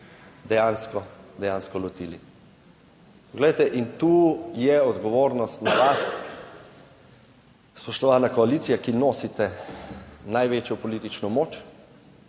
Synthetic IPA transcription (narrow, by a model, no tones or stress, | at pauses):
d̪ɛjaːnskɔd̪ɛjanskɔlɔt̪iːli | pɔɡlɛjt̪ɛʔint̪uːjɛɔd̪ɡɔʋoːɾnɔst̪naʋas | spɔʃt̪ɔʋaːnakɔaliːt̪sijakinoːsit̪ɛ | najʋeːt͡ʃjɔpɔlit̪it͡ʃnɔmoːt͡ʃ